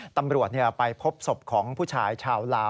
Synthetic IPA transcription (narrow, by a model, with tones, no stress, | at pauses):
t̪a˧mɾu˨˩ət̪̚ni˥˩əpa˧jpʰo˦˥p̚so˨˩p̚kʰɔː˩˦ŋpʰuː˥˩t͡ɕʰaː˧jt͡ɕʰaː˧wlaː˦˥